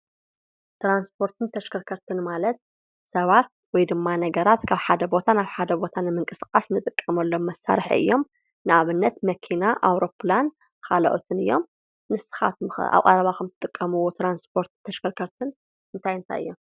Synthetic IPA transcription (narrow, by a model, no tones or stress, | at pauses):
t̪ɾanspʰo̞ɾt̪ʰɨnt̪ʰɐʃkʰɐɾkʰɐɾt̪ʰɨnmalɐt̪̚ | sɐβat̪̚ | wɔjd̪ɨmːanɐɡɐɾat̪kʰaβħad̪ɐbo̞t̪ʰanaβħad̪ɐbo̞t̪ʰanɨmɨŋkʼɨsɨkʼasnɨt̪ʼɨkʼːɐmɐlːomːɐsːa̰ɾħḭɨ̰jːo̞m | nɨʔaβɨnːɐt̪mɐkʰinaʔawɾo̞pʰlan | kʰalɐ̰ʔot̪ʰɨnɨjːo̞m | nɨsɨ̥xa̰t̪m̰a̰βqʼaɾɐβakɐmt̪ʰɨ̥t̪ʼɨkʼːɐmɨwot̪ɾanspʰoɾt̪ɨnt̪ʰɐʃkʰɐɾkʰɐɾt̪ʰɨn | ɨnt̪ʰajɨnt̪ʰa̰jɨ̰jːo̞m